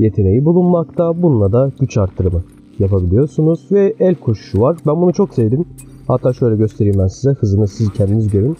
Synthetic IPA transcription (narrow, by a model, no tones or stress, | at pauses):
jet̪ʰe̞ne̞jibulˠunmakt̪ʰabunlˠad̪aɟ̥yt͡ʃʰaɾt̪ʰːɯɾɯmɯ | japabilʲijo̞ɾsunuzvɛɛlʲkʰo̞ʃu̥ʃuvaɾbænbunut͡ʃʰo̞ksevd̪im | hat̪ʰːaːʃø̞jlʲɛɟø̞st̪ʰe̞ɾimænsizɛhɯzɯnɯsizcʰɛnd̪inizɟø̞ɾyn